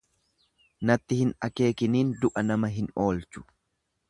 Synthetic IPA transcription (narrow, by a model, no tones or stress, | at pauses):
nɐt̪ːɪhɪnɐke̞ːkɪniːnd̪ʊʔɐnɐmɐɦɪno̞ːlt͡ʃʊ̥